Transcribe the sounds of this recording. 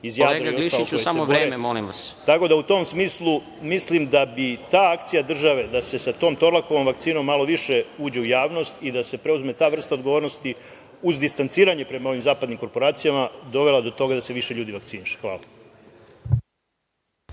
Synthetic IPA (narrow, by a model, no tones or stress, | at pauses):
izjalːeɾaɡaiosiʃaliousesamoɾoeɾememolḭmʋa̰st̪ako̞d̪aut̪o̞ːmsmiːslˠu | mislimd̪abit̪aːakt̪sijad̪r̩ʒaʋe̞d̪ase̞sat̪o̞ːmt̪o̞ɾlako̞ʋo̞mʋakt̪siːno̞mːalo̞ʋiʃe̞uːd͡ʑe̞ujaːʋno̞st̪id̪ase̞pɾe̞uzme̞t̪aːʋr̩st̪ao̞d̪ɡoʋoɾno̞st̪i | uzd̪ist̪ant̪siːɾaɲe̞pɾe̞mao̞ʋimzaːpad̪nimko̞ɾpo̞ɾaːt̪sijamad̪o̞ʋe̞lˠad̪o̞t̪o̞ɡad̪ase̞ʋiʃeʎuːd̪iʋak̚tsiːniʃe̥xʋa̰ːla